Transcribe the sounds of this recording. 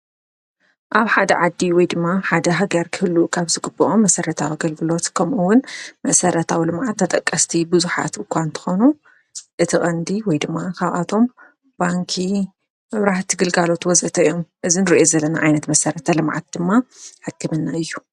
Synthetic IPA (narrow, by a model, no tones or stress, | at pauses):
ʔaβħad̪ɐʕad̪ːiwɔjd̪ɨmːaħad̪ɐɦaɡɐɾkʰɨhɨlːukʰaβzɨɡɨbɐʔomːɐsɐɾɐt̪ʰawiɡɐlɡɨlo̞t̪kʰɐmʔuwːʊnmɐsɐɾɐt̪ʰawilɨmʕat̪ʰːɐt̪ʼɐkʼːɐst̪ʰibɨzuħa̰t̪ɨkʰʷant̪ʰɨ̥xonu | ʔɨt̪ʰixʼɐnd̪iwɔjd̪ɨmːakʰaβʔa̰t̪ʰo̞m | baŋkʰi | mɨβɾaht̪ʰɡɨlɡalo̞t̪wɔzɐt̪ʰɐjo̞mʔɨzinɨɾiʔozɐlːɐna̰ʕajnɐt̪mɐsɐɾɐt̪ʰɐlɨmʕa̰t̪̚d̪̥ɨmːaħɨkːɨmɨnːaɨjːu